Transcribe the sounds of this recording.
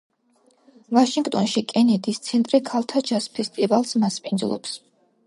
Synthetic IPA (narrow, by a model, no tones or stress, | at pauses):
vaʃiŋɡt̪ʼɔnʃikʼɛnɛd̪ist̪sʰɛnt̪ʼɾikʰalˠt̪ʰad͡ʒaspʰɛst̪ʼivalˠsmaspʼind̪zlˠɔ̰ps